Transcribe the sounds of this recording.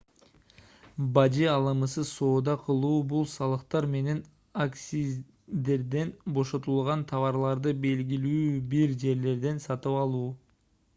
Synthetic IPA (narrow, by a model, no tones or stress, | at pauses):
bɑd͡ʒiɑlˠɯmɯsɯso̞ːd̪ɑqʰɯlˠuːbulˠsɑlˠɯqt̪ɑɾme̞ne̞n | aksʲi | d̪e̞ɾd̪e̞nbo̞ʃo̞t̪ulˠʁɑnt̪ʰɑβɑɾlˠɑɾd̪ɯbe̞lɡilyːbiɾd͡ʒe̞ɾle̞ɾd̪e̞nsɑt̪ɯpɑlˠuː